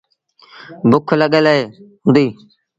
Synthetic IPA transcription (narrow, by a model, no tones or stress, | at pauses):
bʊkʰləɠələɦeːɦʊ̃nd̪iː